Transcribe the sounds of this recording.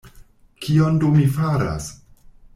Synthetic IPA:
kʰiondumifaɾa̰s

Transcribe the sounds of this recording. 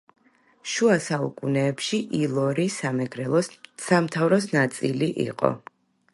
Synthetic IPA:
ʃuasaṵkʼunɛːpʃiʔilˠɔɾisamɛɡɾɛɔsamt̪ʰavɾɔsnat̪sʼiliʔḭqʼɔ̰

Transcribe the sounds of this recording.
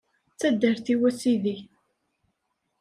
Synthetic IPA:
t͡sːæd̪ːəɾθiwæsiði

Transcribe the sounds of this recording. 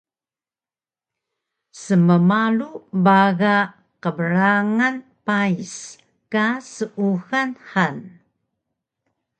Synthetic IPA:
səməmalubaɣa | qəbəɾaŋan | pais | kasəʔuɣanħan

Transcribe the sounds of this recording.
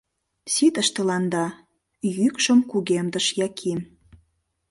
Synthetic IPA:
sit̪əʃt̪ə̆lɑnd̪ɑ | jykʃəmkuɣemd̪əʃjɑkʰim

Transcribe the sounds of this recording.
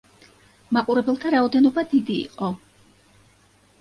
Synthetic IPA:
maqʼuɾɛbɛlˠt̪ʰaɾaɔd̪ɛnɔbad̪id̪ḭːqʼɔ

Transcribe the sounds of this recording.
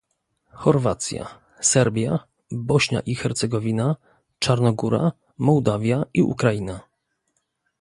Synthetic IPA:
xɔɾvat̪sʲja̰ | sɛɾbʲja | bɔɕɲa̰ʔixɛɾt̪sɛɡɔvʲina | t͡ʂaɾnɔɡuɾa̰ | mɔwd̪avʲjaiṵkɾajina

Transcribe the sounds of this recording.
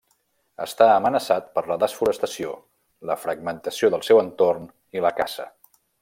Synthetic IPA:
ə̰st̪aəmənəsat̪̚pəɾləðəsfuɾəst̪əsio | ləfɾəɡ̚mənt̪əsioðəlˠsɛwənt̪orn | iləka̰zə̰

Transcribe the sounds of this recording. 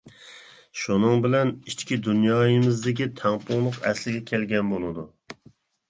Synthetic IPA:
ʃunɨŋbɪlɛnit͡ʃkʲid̪unjɑːjɪmɪzd̪ɪkʲit̪ʰɛŋpulˠʊqɛ̰slɪɡʲɛkʲʰelɡʲɛnbolˠɨd̪u

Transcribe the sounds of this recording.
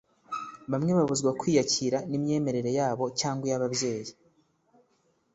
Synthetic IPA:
βamŋe̞βaβuzɡwakwiːjaciɾanimɲe̞ːme̞ɾe̞ɾe̞jaːβo̞caːŋɡwejaβaβje̞ːji

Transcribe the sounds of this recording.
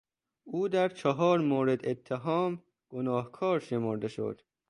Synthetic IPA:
uːd̪æɾt͡ʃʰɒɦɒːɾmoːɾed̪et̪ʰːeɦɒːm | ɡ̥onɒːhkʰɒːɾʃemoɾd̪eʃo̰d̪̥

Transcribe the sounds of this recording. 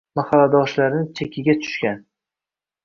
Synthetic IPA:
mahalːad̪ɒʃlaɾɪnɪt͡ʃʰekʲʰɪɡʲat̪ʰʊ̥ʃkʲan

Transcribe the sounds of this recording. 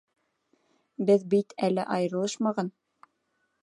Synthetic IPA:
bɘðbit̪ælɘʔɑjɤ̆ɾɤ̆lˠɤʃmɑʁɑn

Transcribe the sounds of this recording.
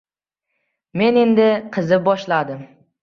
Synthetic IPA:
me̞ne̞nd̪ɪqʰɨzɪbɒʃlad̪ɪm

